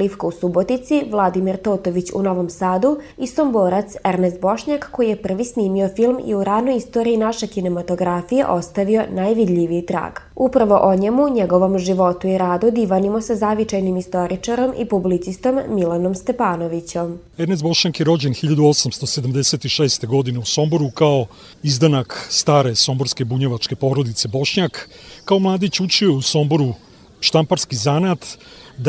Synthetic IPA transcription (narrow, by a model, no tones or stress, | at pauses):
lifkausubo̞t̪nit̪siʋlˠad̪imiɾt̪oːt̪oʋit͡ɕṵno̞ʋo̞msaːd̪uisomboːɾat̪seɾnest̪̚bo̞ʃɲakːo̞jije̞pr̩ʋisniːmio̞filˠmḭuɾaːd̪nojist̪o̞ɾiinaʃekine̞mat̪o̞ɡɾafijḛʔo̞st̪aʋio̞najʋid̪ʎʲiʋit̪ɾa̰ːɡ̥upɾaʋo̞ʔoɲemuɲeɡo̞ʋo̞mʒiʋo̞t̪uiɾaːd̪ud̪iːʋanimosazaʋit͡ʃajnimist̪o̞ɾit͡ʂaɾo̞mḭpublit̪sist̪o̞mːilano̞mst̪e̞paːnoʋit͡ɕom | eɾnezbo̞ʃɲakjeɾo̞d͡ʑenxiʎad̪uo̞samst̪o̞sed̪amd̪e̞se̞t̪iʃeːst̪e̞ɡo̞d̪ine̞uso̞mboɾukao̞ | izd̪anakst̪aːɾe̞so̞mbo̞ɾskebuɲeʋat͡ʃke̞po̞ːɾod̪it̪se̞bo̞ʃɲakːao̞mlˠaːd̪it͡ɕut͡ʃiouso̞mbo̞ɾu | ʃt̪ampaɾskizanat̪ | d̪